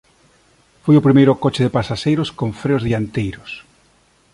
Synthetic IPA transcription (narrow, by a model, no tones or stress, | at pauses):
fojʊpɾimejɾʊkot͡ʃɪðɪpasaʃejɾʊskoɱfɾeʊzðiant̪ejɾʊs